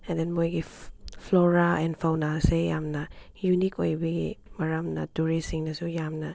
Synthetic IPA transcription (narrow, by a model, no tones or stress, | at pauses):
ɛndɛnmojɡipʰloɾaɛnpʰawnasejamnɐ | junikojbiɡimaɾamna̰tuɾisiŋnɐsujamna